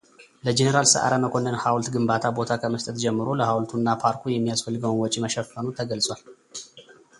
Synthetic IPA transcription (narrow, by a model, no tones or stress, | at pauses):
ləd͡ʒenəɾalsə̰ʔa̰ɾaməkʰo̞nːənhawlt̪ɡɨmbat̪ʰabo̞t̪ʰakʰəməst̪ʼət̪d͡ʒɛmːɨɾo̞ləhawlt̪ʰunːapʰaɾkʰujɛmːijasfəlːɨɡəwnwɔt͡ʃʼiməʃɛfːənut̪ʰəɡəlsʼwal